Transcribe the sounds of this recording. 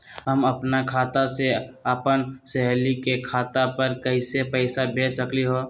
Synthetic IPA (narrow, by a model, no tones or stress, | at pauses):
ɦəməpnakʰaːt̪aseəpənsɛɦlikekʰaːt̪apəɾkəɪsepəɪsabʱeːsəkliɦoː